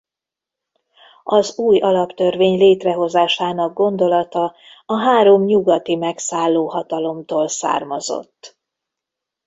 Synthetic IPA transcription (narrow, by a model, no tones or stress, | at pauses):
ɒzuːjɒlɒpt̪ørveːɲleːt̪rɛɦo̞zaːʃaːnɒɡ̚ɡo̞nd̪o̞lɒt̪ɒ | ɒɦaːɾo̞mɲuɡɒt̪imɛksaːlːoːɦɒt̪ɒlo̞mt̪oːlsa̰ːrmɒzo̞̰t̪ː